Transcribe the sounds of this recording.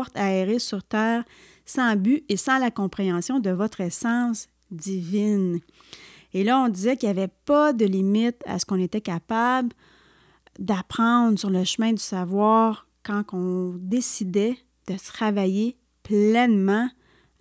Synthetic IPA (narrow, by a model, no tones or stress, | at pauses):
ʁt̪aeʁesyʁt̪ɛːʁ | sɑ̃byesɑ̃lakɔ̃pχeɑ̃sjɔ̃d̪əvɔt̪χɛsɑ̃s | d̪ivɪn | elʌɔ̃d̪izɛkiljavɛpʌd̪əlimɪt̪a̰sə̥kɔ̃net̪ɛkapabl | d̪apχɑ̃d̪ʁsyʁləʃəmɛ̃d̪y̥savwɑːʁ | kɑ̃kɔ̃d̪esid̪ɛ | d̪̥ət̪χavaje | plɛnmɑ̃